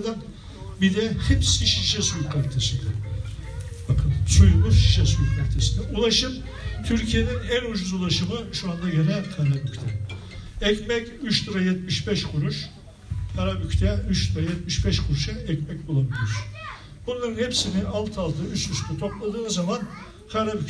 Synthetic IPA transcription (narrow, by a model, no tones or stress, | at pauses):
d̪æn | bid̪ɛhipsiʃiʃɛsujukʰːaɾt̪ʰesind̪ɛ | bakʰɯnsujlˠuʃiʃɛsujukʰaɾt̪ʰesind̪ɛʔulˠaʃɯm | t̪ʰyɾcʰije̞ninænud͡ʒuzulˠaʃɯmɯʃuand̪aɟenælʲkʰaɾabyct̪ʰɛ | ɛcmɛcyʃt̪ɯɾajɛt̪miʃbɛʃkʰuɾuʃ | hʰaɾabyct̪ʰɛyt͡ʃt̪ɯɾajɛt̪̚miʃbɛʃkʰuɾuʃɯɛcmɛc̚ʲbulˠabilʲiɾ̥ | b̥unlˠaɾɯnhepsiniʔalˠt̪ʰalˠt̪ʰɯyt͡ʃyst̪ʰɛt̪ʰo̞plˠad̪ɯːnzaman | kʰaɾaby